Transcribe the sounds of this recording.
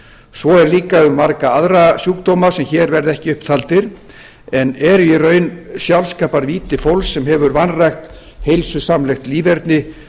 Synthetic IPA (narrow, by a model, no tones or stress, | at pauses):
sɔɛɾliːkaʏmːaɾkaaðɾasjuːk̚t̪owmasɛmçɛːɾvɛɾðɛhcɪʏhpt̪ʰalt̪ɪɾ̥ | ɛnɛɾirœːɥnsjawlskaːpaɾviːt̪ɪfowlsːɛmhɛvʏɾvanrajxt̪ | hejlsʏsamlɛjxt̪liːvɛɾt̪nɪ